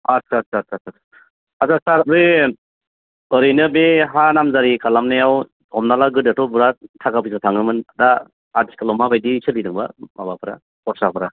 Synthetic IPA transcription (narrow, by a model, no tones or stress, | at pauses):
atatatatat | azasaɾɾɯ | ɯɾɯjnɯbeɦanamzaɾikʰalamnajaw | ɔmnalaɡɯdatɔbuɾatʰakapʰisatʰaŋɯmɯnada | adiskalɔmabajdisɯlidɯŋba̰mabapʰɯɾa̰ | pɔsapʰɯɾa